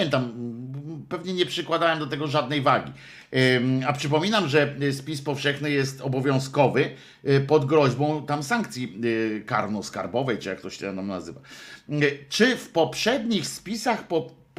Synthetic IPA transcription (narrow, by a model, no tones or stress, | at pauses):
ɛnt̪am | pɛvɲɛɲɛpʂɘkwad̪awɛmd̪ɔt̪̬ɛɡɔʐad̪nɛjvaɡʲi | apʂɘp̬ɔmʲinamʐɛspʲispɔfʂɛxnɘjɛst̪ɔbɔvʲjɔ̃w̃skɔvɘ | pɔd̪ɡɾɔʑbɔ̃w̃t̪amsaŋkt̪sʲika̰ɾnɔska̰ɾbɔvɛjt͡ʂɨjak̚t̪ɔɕɛ̥t̪ɛnamna̰zɘva̰ | t͡ʂɘfpɔpʂɛd̪ɲixspʲisaxpɔ